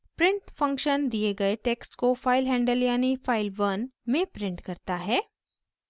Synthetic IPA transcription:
pɾɪ̃ɳʈfɐ̃ŋkʃənd̪ieɡɐeʈeːksʈkofaːɪlɦɛ̃ːɳɖəljaːnifaːɪlʋɐnmẽpɾɪ̃ɳʈkɐɾt̪aɦɛː

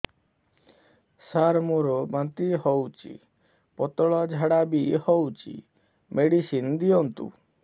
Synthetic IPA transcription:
saɾmuɾɔbant̪iɦɔwt͡ʃḭ | pɔt̪ɔɭɔd͡ʒʱaɽabihɔwt͡ʃʰḭ | meɽisind̪iɔnt̪ṵ

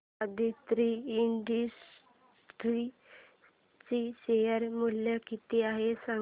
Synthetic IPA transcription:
əd̪ʱit̪ɾiːɳɖis | t̪ɾi | t͡ɕiɕejəɾmuljakit̪iaɦesa

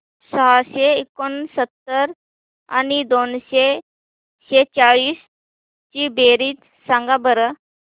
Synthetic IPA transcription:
saaseɪkːonsət̪ːəɾ | ɐ̰nid̪oːnse | set͡ʃaːɭiːs | t͡ʃibeːɾit̪ | saŋɡabəɾə

